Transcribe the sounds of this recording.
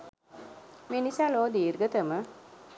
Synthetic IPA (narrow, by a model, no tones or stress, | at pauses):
minisaːloːd̪iːɾɡət̪əmə